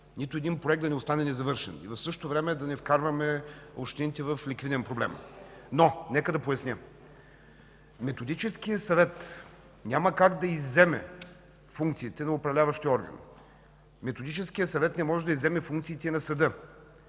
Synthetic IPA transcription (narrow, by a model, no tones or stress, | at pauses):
nit̪ʊɛd̪inpɾoɛɡ̪̚ɐnɛʊst̪anɛnɛzɐvɤɾʃɛ̰nḭvɐfsɤʃot̪ovɾɛmɛd̪ɐnɛfkaɾvɐmɛo̰ʃt̪init̪ɛvəflikvid̪ɛnpɾoblɛ̰mnonɛkəd̪ɐpojɐsnʲə | mɛt̪od̪it͡ʃɛskijəsɐvɛt̪ | nʲaməkaɡd̪ɐizːɛmɛ̰ | fuŋkt̪sit̪ɛnɐʊpɾɐvlʲavɐʃt̪iɔɾɡə̰n | mɛt̪od̪it͡ʃɛskijəsɐvɛt̪nɛmɔʒɛd̪ɐizːɛmɛfuŋkt̪siit̪ɛnɐsɐd̪ɤ